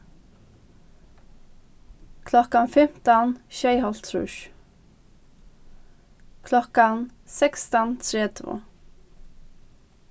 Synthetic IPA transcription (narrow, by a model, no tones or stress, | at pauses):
kʰlɔkanfɛm̥t̪ənʃæɪhɔlt̪ʰɾʉ̰ʃ | kʰlɔkansɛkst̪ənt̪ʰɾeːd̪ʋṵ